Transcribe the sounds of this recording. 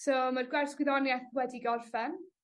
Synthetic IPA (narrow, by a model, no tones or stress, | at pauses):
soːmarɡwɛrsɡwɪðɔnjɛθwɛdiɡɔrfɛn